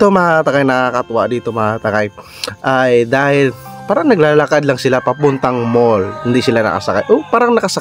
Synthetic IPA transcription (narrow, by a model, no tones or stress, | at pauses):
ɪt̪omɐat̪ɐkajnɐakɐt̪ʊwa̰ʔd̪iːt̪o̞mɐŋat̪ɐkaj | ʔajd̪aːhɪlpaːɾɐŋnɐɡlaːlɐkad̪laŋsɪlapɐpʊnt̪ɐŋmolhɪnd̪isɪlanɐ̰kɐ̰sɐka̰jʔopaːɾɐŋnɐkɐsɐka